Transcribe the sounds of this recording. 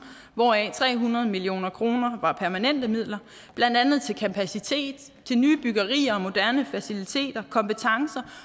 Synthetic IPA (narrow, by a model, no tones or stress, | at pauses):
ʋɒɛt͡sʰʁɛ̰ːɦunɐð̞̩ˠmilio̝̰ːnɐkʰʁo̝ːnɐʋɑ̈pʰæɐmænen̰d̥əmið̞̰ˠlɐ | b̥lænd̥ænð̞̩ˠt͡sʰe̝lkʰæpʰæsit͡sʰe̝̰ːd̥ | t͡sʰe̝lnyːb̥yɡ̥ɐʁḭːɐɒ̽mo̝d̥æɐnəfæsilit͡sʰe̝̰ːd̥ɐkʰɒ̽mpət͡sʰɑ̈ŋsɐ